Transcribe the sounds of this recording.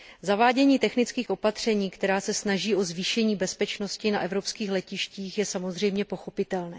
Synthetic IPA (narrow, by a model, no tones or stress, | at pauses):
zavaːɟɛɲiːt̪ɛxnɪt͡skiːxʔo̞pat̪r̝̥ɛɲiːkt̪ɛɾaːsɛsnaʒiːʔo̞zviːʃɛɲiːbɛspɛt͡ʃno̞scɪnaʔɛvɾo̞pskiːxlɛcɪʃciːxjɛsamo̞zr̝ɛjmɲɛpo̞xo̞pɪt̪ɛlnɛː